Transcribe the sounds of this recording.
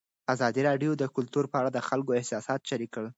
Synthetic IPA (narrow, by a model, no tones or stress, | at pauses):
azɑd̪iɾɑɖjod̪əkʊlt̪uɾpəaɽad̪əxalkoɪhsɑsɑt̪ʃaɾikːəɭ